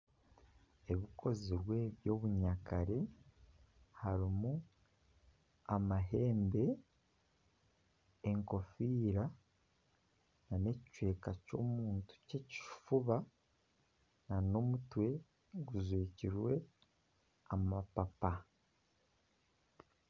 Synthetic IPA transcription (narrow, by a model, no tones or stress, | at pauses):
e̞βikʰo̞ziɾwe̞βjo̞ːβuɲakaɾe | haɾimu | amaɦe̞ːmbe̞ | ŋko̞fiːɾa | nane̞ci̥t͡ʃwe̞ːkaco̞̰ːmuːntu̥ce̞ci̥fuβa | nano̞mutwe̞ | ɡuzweːciɾwe̞ | amapapa